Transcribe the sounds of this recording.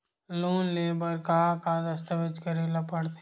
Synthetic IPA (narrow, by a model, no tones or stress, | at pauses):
loːnleːbəɾkaːkad̪ɐst̪əʋəd͡ʒkɐɾelɐpəɽt̪